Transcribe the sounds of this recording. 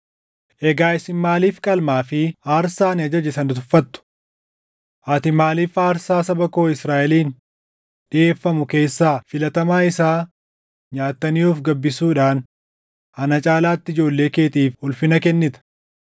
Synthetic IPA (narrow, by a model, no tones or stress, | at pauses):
ʔɛɡaːɪsɪnmːaːliːfkʼɐlmaːfɪaːɾsaːnɪɐd͡ʒɐd͡ʒɪsɐnʊt̪ʊfːɐt̪ːʊ̥ | ʔɐt̪ɪmaːliːfaːɾsaːsɐbɐko̞ːɪsɾaːʔɛliːn | ᶑɪʔe̞ːfːɐmʊke̞ːsːaːfɪlɐt̪ɐmaːɪsaː | ɲaːt̪ːɐnɪːuːfɡɐbːɪsuːᶑaːn | ɐnɐt͡ʃʼaːlaːt̪ːɪd͡ʒo̞ːlːe̞ːke̞ːt̪iːfʊlfɪnɐkɛnːɪt̪ɐ̥